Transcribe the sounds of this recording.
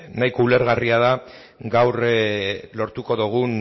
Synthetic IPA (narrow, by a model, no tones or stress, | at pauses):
najkoule̞ɾɣariaða | ɡawr | lo̞ɾt̪uko̞ðuɣ̞un